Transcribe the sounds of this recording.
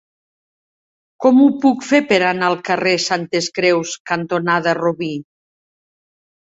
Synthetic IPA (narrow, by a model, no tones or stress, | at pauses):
kɔmupukfepeɾanaːlˠkaresant̪eskɾɛwskant̪onaðaroβi